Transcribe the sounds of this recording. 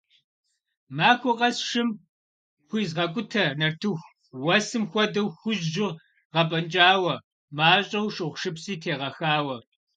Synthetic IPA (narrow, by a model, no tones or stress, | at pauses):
maːkʷʰʊqʼɐsʂɪm | xʷiːzʁɐkʷʼʊtʰɐnɐrtʰɨxʷ | wɐsɨmxʷɔdɐwxʷʊʑʒɪr | ʁɐpʼɐnt͡ʃʼaːwɐ | maːɕʼɐwʃʼɨʁʷʃɨpsiːtʰeːʁɐxaːwɐ